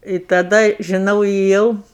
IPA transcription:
ɪ tɐˈdɐ ʒʲɪˈnɐʊ eːˈjɛʊ

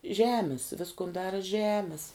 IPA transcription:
ˈʒʲæːmʲɪs ˈʋʲɪskʊn ˈdɑːrɐ ˈʒʲæːmʲɪs

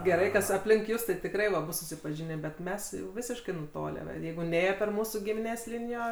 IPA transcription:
ɡʲɛˈrɐɪ ˈkɐs ɐpʲˈlʲɪŋk ˈjʊs tɐɪ tʲɪkˈrɐɪ ʋɐ ˈbʊs sʊsʲɪpɐˈʒʲɪnʲeː bʲɛt ˈmʲɛs jɛʊ ˈʋʲɪsʲɪʃkɐɪ nʊˈtoːlʲæː ʋɐ ˈjɛɪɡʊ ˈnʲeːjoː pʲɛr ˈmuːsuː ɡʲɪmʲɪˈnʲeːs ˈlʲɪnʲɪjoː

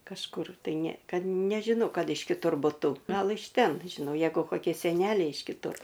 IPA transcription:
kɐʃˈkʊr tɐɪ nʲɛ ˈkɐt nʲɛʒʲɪˈnoː ˈkɐt ɪʃ kʲɪˈtʊr bʊˈtʊ ˈɡɐlˠ ɪʃ ˈtʲɛn ʒʲɪˈnɐʊ ˈjɛɪɡʊ koːˈkʲiɛ sʲɛˈnʲæːlʲɛɪ ɪʃ kʲɪˈtʊr

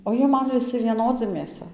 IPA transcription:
oː ˈjiɛ ˈmɐn ʋʲɪˈsʲɪ ʋʲiɛˈnoːd͡zʲɪ mʲeːˈsɐ

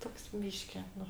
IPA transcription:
ˈtoːks ˈbʲiːʃʲkʲɪ ˈnʊ

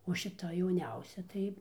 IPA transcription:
oː ʃʲɪˈtɐ jɛʊˈnʲɛʊsʲɛ ˈtɐɪ

